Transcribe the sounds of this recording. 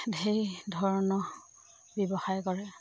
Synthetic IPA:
dʱejdʱɔɹɔnɔ | bebɔxajkɔɹɛ

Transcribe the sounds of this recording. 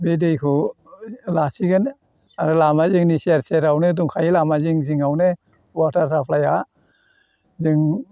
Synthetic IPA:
bedɯjkʰɔ | lasiɡen | aɾɯlamaziŋniseɾseɾawneduŋkʰajilamaziŋziŋawne | waɾtʰaɾsʰapʰlaja | ziŋ

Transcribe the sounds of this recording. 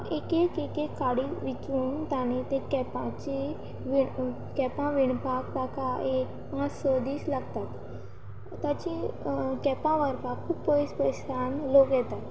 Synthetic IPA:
ekekekekaɽiʋikunt̪anẽt̪ẽkɛpãt͡ɕi | ʋi | kɛpãʋiɳpak̚pakaek̚pãt͡ssɔd̪iːslaɡt̪at̪ | t̪at͡ɕikɛpãʋəɾpakʰːuːbpoispəsanlokjɛt̪at̪

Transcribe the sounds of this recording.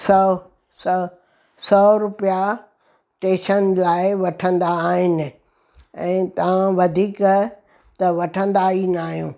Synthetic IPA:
sɐ | s | sɔːɾʊpija | ʈeːʃənlaːɪʋɐʈʰə̃nd̪aːɦɪnɪ̆ | ɛ̃ːt̪ɐʋ̤ãʋɐd̪ʱiːk | t̪ɐʋɐʈʰə̃nd̪ainaːɦijũː

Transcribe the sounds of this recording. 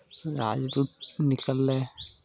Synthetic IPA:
ɾa̰ːd͡ʒd̪uːnɪkəlːeː

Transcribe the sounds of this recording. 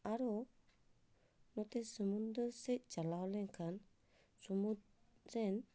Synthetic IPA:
aɾɔ | nɔt̪ɛsəmund̪əsɛc̚d͡ʒalawlɛŋkʰan | sumu | ɾɛn

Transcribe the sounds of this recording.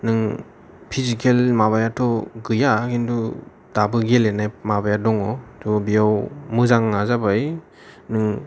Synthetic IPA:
nɯŋ | pʰizikʰelmaβajatʰɔɡɯjakindu | d̥abɯɡelenajmabajadɔŋɔduɔbijawmɯzaŋːazabaj | nɯŋ

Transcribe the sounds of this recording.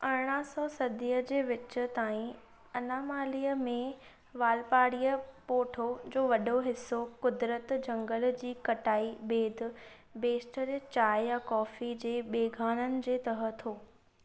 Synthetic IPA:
ɐɽɽ̃əsɔːsɐd̪ʱiːəd͡ʑeːʋɪt͡ɕʊ̆t̪aːĩ | ɐnaːmaːlijəmẽ | ʋaːlpaːɽijəpoːʈʰod͡ʑoːʋɐɗoɦɪsːokʊd̪ɾət̪d͡ʑɐ̃ŋɡəl̆d͡ʑiːkɐʈaːibeːd̪̆ʱ | beːsʈəɾt͡ɕaːɪjakɔːfid͡ʑeːɓeːɡʱaːnənɪ̆d͡ʑeːt̪ɐɦə̆t̪ʰoː

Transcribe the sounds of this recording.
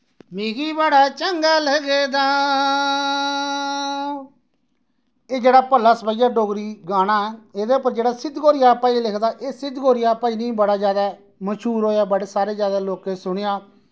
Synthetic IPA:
meːɡiːbəɽaːt͡ʃəŋɡaːlɛɡeːd̪aː | eːd͡ʒeːɽaːpəlːaːsəbaijaːɖoːɡɾiːɡaːɽ̃aːɛːeːd̪eːʊpəɾd͡ʒeːɽaːsɪd̪ɡoːɾɪjaːpãːilɪkʰd̪aːʔeːsɪd̪ɡoːɾɪjaːpãːiːnĩːbəɽaːd͡ʒjaːd̪aː | məʃuːɾɦoːjaːbəɽeːsaːɾeːd͡ʒjaːd̪aːloːkeːsʊɽ̃ejaː

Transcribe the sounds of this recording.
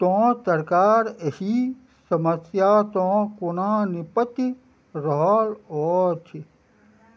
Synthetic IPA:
t̪õːt̪əɾkaːɾehi | səməsjaːt̪õːkonaːnipət̪i | ɾɔɦlɔːt͡ʃʰi

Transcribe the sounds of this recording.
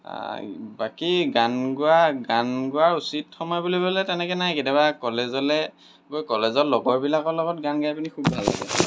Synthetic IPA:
bakiɡanɡʊaɡanɡʊaɹusitxɔmɔjbulibɔlɛtɛnɛkɛnaɛketɛbakɔlɛzɔlɛ | ɡojkɔlɛzɔtlɔɡɔɹbilakɔlɔɡɔt̚ɡanɡajpunikʰubbʱalːa̰ɡɛ̰

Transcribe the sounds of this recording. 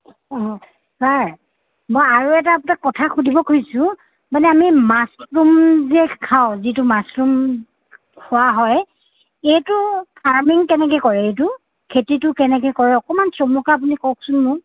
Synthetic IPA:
ɔ̃ | saɹ | mɔjaɹuɛt̬aptakːɔtʰaxudʱibɔkʰojsʊ̃ | manɛamimasɹumzɛkʰaʊ̃zitʊmasɹum | kʰʊaɦɔj | ejtʊkʰaɹmiŋkɛnɛk̬ɛkɔɹɛetʊ | kʰetitʊkɛnɛk̬ɛkɔɹɛɔkɔmansomɔkaːp̬unikɔk̚sʊnmʊ

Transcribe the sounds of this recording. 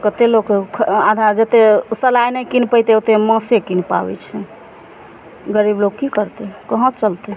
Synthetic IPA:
kət̪elokkʰad̪ʱad͡ʒət̪esəlajnɛkinpəjt̪eot̪emə̃sekinpa̰bɛ̰t͡ʃʰɛ | ɡəɾibloɡkikəɾt̪ekəɦə̃t͡ʃəlt̪e

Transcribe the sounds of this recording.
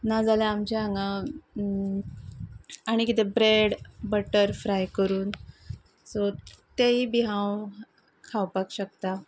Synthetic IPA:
nad͡zalaamt͡ɕeaŋɡa | aɽ̃ikit̪ebɾeɽbəʈəɾfɾajkəɾuːn | sɔt̪eɦibiɦãw | kʰawpakɕək̚t̪a

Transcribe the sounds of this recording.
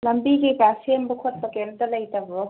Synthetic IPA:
lɐmbiɡikasembukʰot̚bɐkentɐlɐjtɐbɾo

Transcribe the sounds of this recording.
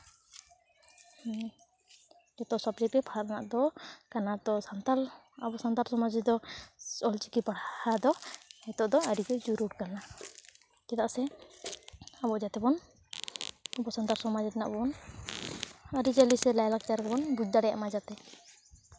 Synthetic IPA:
d͡ʒɛt̪ɔsɔpɾipɛpʰaɾanaʔd̪ɔkanad̪ɔsant̪aɾ | abɔsant̪aɾsɔmad͡ʒɛd̪ɔɔlt͡ʃikipaɽhad̪ɔhɛt̪ɔʔd̪ɔəɾikɛd͡ʒuɾuɽkana | kɛt̪aʔsɛ | abɔd͡ʒat̪ɛbɔn | upɔsant̪aɾsɔmad͡ʒɛt̪ɛna̰ʔbɔn | aɾid͡ʒalisɛlajlak̚t͡ʃaɾkɛbɔnbud͡ʒ̚d̪aɽɛja̰ʔmad͡ʒat̪ɛ

